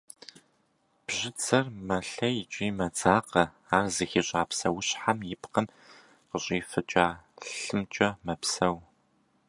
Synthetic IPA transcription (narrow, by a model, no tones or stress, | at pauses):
b̥ʑɪt͡sʰɐrmɐɬɐjɪt͡ʃʼiːmɐt͡sʼaːqɐ | aːrzɨxiɕʼaːpsɐwʊɕħamjɪpqən | qəɕʼiːfɨt͡ʃʼaːɬɨmt͡ʃʼɐmɐpsɐw